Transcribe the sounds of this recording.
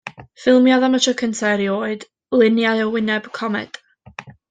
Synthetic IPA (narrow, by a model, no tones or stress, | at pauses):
fɪlˠmjaðamətʰəkʰəntʰaɾioːɨd | lˠɪnjajɔwɪnɛb̥kʰɔmɛ̰d̥